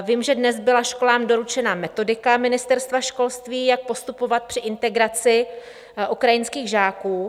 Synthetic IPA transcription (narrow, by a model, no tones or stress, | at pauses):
vimʒɛdnɛzbɪlaʃko̞laːmdo̞ɾut͡ʃɛnamɛt̪o̞dɪkamɪnɪst̪ɛɾst̪vaʃko̞lst̪viːjak̚po̞st̪upo̞vat̪̚pr̥ɪʔɪnt̪ɛɡɾat͡sɪ | ʔukɾajɪnskiːɣʒaːkuː